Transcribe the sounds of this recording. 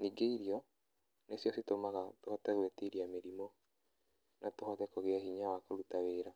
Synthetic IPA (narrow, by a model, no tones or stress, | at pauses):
niɡeiɾiɔ | nesjɔsitomaɣatohɔtɛɣwetiɾiameɾimɔ | natohɔðɛkɔɣeaɦiɲawakoɾutaweːɾa